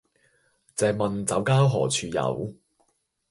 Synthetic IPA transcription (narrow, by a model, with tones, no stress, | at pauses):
t͡sɛː˨˧k̚mɐ˨nt͡sɐ˨˥wkaː˥wɦɔː˨˩t͡sʰyː˧jɐ̰˨˥w